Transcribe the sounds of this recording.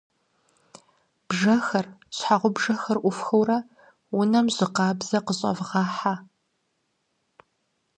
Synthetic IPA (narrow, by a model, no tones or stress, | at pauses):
b̥ʒɐxɐrɕħaʁʷʊbʒɐxɐrʔʷʊfxɐwrɐ | wʊnɐmʑɪqɑːbz̥ɐqəɕʼɐ̰vʁɑːħa